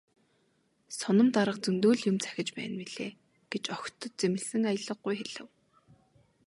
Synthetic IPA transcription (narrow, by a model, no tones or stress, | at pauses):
sɔnɞ̆mt̪aɾə̆qt͡sɵnt̪oːɮjʊmt͡sʰæ̥xʲɪ̆t͡ɕpæ̰ːnwiɮeː | ɡ̥et͡ɕɔxʲt̪ɞ̆t̪̚t͡semɪ̆ɮsɘ̆ŋajə̆ɮə̆qːujxeɮ̥ə̆w